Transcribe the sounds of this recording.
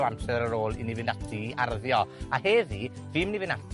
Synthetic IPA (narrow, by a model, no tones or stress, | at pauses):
amsɛɾəɾoːlˠḭnivɪnatʰiarðjɔaheːði | viːmnivɪnatʰ